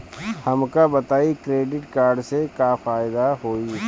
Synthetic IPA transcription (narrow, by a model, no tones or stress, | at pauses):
hɐmkabɐt̪aːikɾeːɖɪʈkaːɾɖsekafaːɪd̪aɦoːi